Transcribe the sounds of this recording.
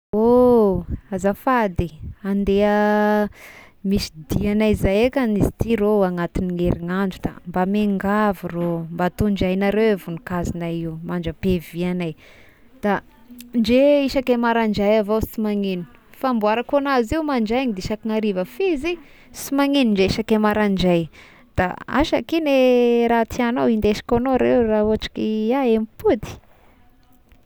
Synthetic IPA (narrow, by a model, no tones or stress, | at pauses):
o | azafad̪iand̪eə | misi̥d̪ianaizajekʲanizit̪iɾoaŋat̪iniŋeɾiŋaɳɖ͡ʐud̪̥a̰mbameŋɡavirombat̪oɳd͡ʒajnaɾewevunikazinaiumanɳd͡ʒəpevianaj | d̪̥a | nd͡ʒeiʃakemaɾaɳd͡ʒajavosimaŋini̥ | fambuaɾakonaziumaɳd͡ʒajaɲid̪iʃakiŋaɾivəfizi | simaŋiniɳd͡ʒeiʃakemaɾaɳd͡ʒaj | d̪̥a̰a̰ʃa̰kineɾat̪ianawind̪eʃi̥konoɾewrauaʈ͡ʂi̥kiaemipud̪i̥